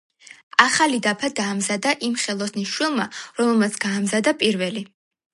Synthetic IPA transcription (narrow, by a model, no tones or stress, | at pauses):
aχalid̪apʰad̪aːmzad̪aʔimχɛlˠɔsniʃwilˠmaɾɔmɛlˠmat̪sʰɡ̥aːmzad̪apʼiɾvɛli